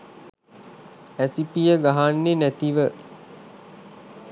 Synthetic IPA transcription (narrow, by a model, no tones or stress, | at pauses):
æsipijəɡaɦanːenæt̪iʋə